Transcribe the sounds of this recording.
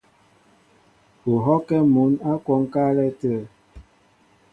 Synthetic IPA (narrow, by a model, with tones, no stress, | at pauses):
u˨ɦɔ˦kɛ˦mu˨˦na˦kwɔ˦ŋ˦ka˦lɛ˦tə˦˨